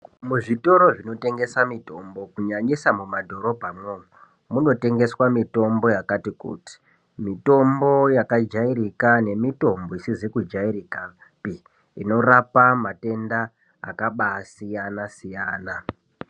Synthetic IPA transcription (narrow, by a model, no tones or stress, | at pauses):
muʐito̞ɾo̞ʐino̞te̞ŋɡe̞samito̞mbo̞kuɲaɲisamumadʱo̞ɾo̞bʱamwou | muno̞te̞ŋɡe̞swamito̞mbo̞jakatikṵti̥ | mito̞mbo̞jakad͡ʒaiɾikane̞mito̞mbo̞isizikud͡ʒairika | pi | ino̞rapamate̞nda̰ː | kaɓasijanasijaːna